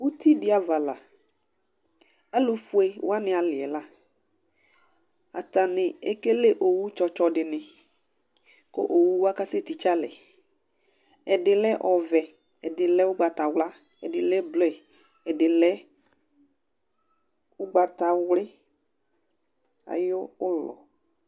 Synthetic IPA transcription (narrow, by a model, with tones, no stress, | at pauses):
wu˦t̪ʰi˦dɪ˦a˨va˨la˨ | a˦lʊ˨fu˨˦ɛ˨wa˦nɪ̃˨a˨lɪ˨ɛ˨la˦ | a̰˨t̪a˨nɪ˨e˦ke˦le˦ʔo˨wu˦t͡ʃɔ˦t͡ʃɔ˦dɪ˨nɪ̃˨ | ko̰˦ʔo˨wu˦wa˦ka˦se˦˨t̪i˨t͡ʃa˦lɛ˨ | ɛ˨dɪ˨lɛ˦ʔɔ˨vɛ˨ | ɛ˨dɪ˨lɛ˦wʊ˦ɡ͡ba˨t̪a˨wla˦ | ɛ˨dɪ˨lɛ˦blɔ˦ɛ˨ | ɛ˨dɪ˨lɛ˦ | ʊ˦ɡ͡ba˨t̪a˨wlɪ˦ | a̰˨jo˦ʊ˦lɔ̰˨